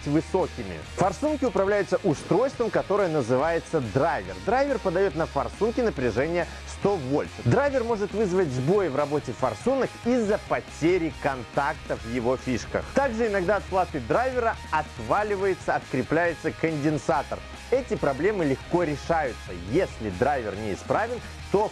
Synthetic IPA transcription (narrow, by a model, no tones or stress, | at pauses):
tʲvɨso̞kʲɪmʲɪ̰fɐrsunkʲɪʊpɾɐvlʲæjʊt̪səʔʊst̪ɾo̞jst̪vəmkɐt̪o̞ɾɨjənəzɨvajɪt̪səd̪ɾajvʲɪ̰rd̪ɾajvʲɪrpəd̪ɐjo̞t̪nəfɐrsunkʲɪnəpɾʲɪʐɛnʲɪjə | st̪ovolʲʂɨd̪ɾajvʲɪrmo̞ʐɨt̪vɨzvətʲzbo̞jɪvrɐbo̞tʲɪfɐrsunəkizːəpɐtʲeɾʲɪkɐnt̪akt̪əvjɪvo̞fʲiʂkə̰xt̪aɡʐɨɪnɐɡd̪aɐt̪̚plˠat̪ɨd̪ɾajvʲɪɾəɐt̪valʲɪvəjɪt̪səɐt̪kɾʲɪplʲæjɪt̪səkənʲdʲɪnsat̪ər | ɛtʲɪpɾɐblʲe̞mɨlʲɪxko̞ɾʲɪʂajʊt̪sə̰jesʲlʲɪd̪ɾajvʲɪ̰rnʲɪɪspɾavʲɪn | t̪o̞